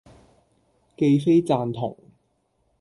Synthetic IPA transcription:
ke˧jfe˥jt͡saː˨˧nt̪ʰʊ̰˨˩ŋ

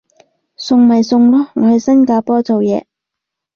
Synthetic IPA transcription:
sʊ˨˧ŋmɐ˨jsʊ˧ŋlɔː˥ŋɔː˨˧hɵ˨jsɐ˥nkaː˧pɔː˥t͡so˨wjɛː˨˧

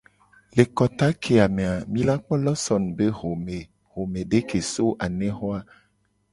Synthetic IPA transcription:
le˨kɔ˨t̪a˦kʰe˨a˨me˨a˨mĩ˦la˦k͡pɔ˦lɔ˦sɔ˨n˨be˦ɦo˨me˨ | ɦo˨mẽ˨ɖe˦ke˨so˦ʔa˨nẽ˦ɦɔ˦a˦

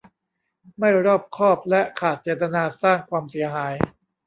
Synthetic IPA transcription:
ma˥˩jɾɔː˥˩p̚kʰɔː˥˩p̚lɛ˦˥ʔkʰaː˨˩t̪̚t͡ɕeː˨˩t̪a˧naː˧saː˥˩ŋkʰwaː˧msi˨˦ɐɦaː˩˦j

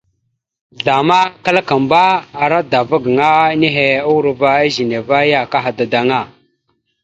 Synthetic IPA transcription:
ɮa˨ma˦ka˦la˦ka˨mba˦a˨ɾa˦da˨va˦ɡŋa˦ne˦ɦe˨a˦wu˦ɾva˦a˦ʒi˨ne˨va˦ja˦ka˦ɦa˨da˨da˨ŋa˦˨

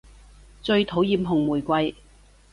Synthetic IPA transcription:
t͡ʃɵ˧ɥt̪ʰo˨˥wjiː˨˧mɦʊ˨˩ŋmuː˨˩jkʷɐ˧j

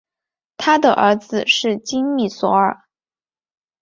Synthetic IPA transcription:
t̪ʰa˥d̪ə̰˨ʔə̰˧˥d͡zɹ̩˧ʂɻ̩˥˩t͡ɕi˥ŋmi˥˩swɔ˧˥ə˞˨˩˦

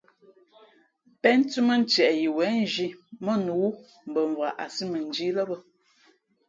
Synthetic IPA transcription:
pɛ˦n˦tu˦mə˦˨n̩˦tjɛ˨ʔji˨wɛ˨˦n˦d͡ʒi˦mə˦˨nu˨˦ | m̩˨bə˨ɱ˨vwa˨ʔa˨si˦mə˨n˨˦d͡ʒi˦lɔ˦bə˦

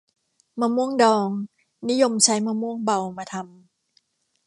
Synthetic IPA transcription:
maː˧mu˥˩əŋdɔː˧ŋ | ni˦˥jo˧mt͡ɕʰa˦˥jmaː˧mu˥˩əŋba˧wmaː˧t̪ʰa˧m

